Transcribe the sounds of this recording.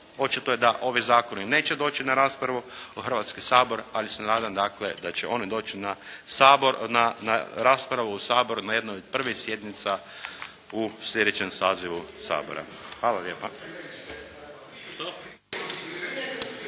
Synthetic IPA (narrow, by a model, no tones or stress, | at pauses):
o̞t͡ʃit̪ojed̪aʔo̞ʋizaːko̞nine̞ːt͡ʃe̞d̪o̞ːt͡ʃinaɾaːspɾaʋuuxrʋat̪skisaːbo̞ɾalisenaːd̪amd̪akle̞̰d̪at͡ʃḛʔo̞nid̪o̞ːt͡ʃinasananaɾaːspɾaʋuusaːbo̞ɾunaje̞d̪naod̪̚pr̩ʋisje̞d̪nit̪sa | uslʲje̞d̪e̞t͡ʃemsaːziʋusa̰ːbo̞̰ɾa̰xʋaːlaljeːpa